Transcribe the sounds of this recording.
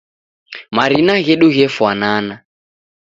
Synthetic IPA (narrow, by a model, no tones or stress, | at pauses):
maɾinaɣɛɗuɣɛfwanaːna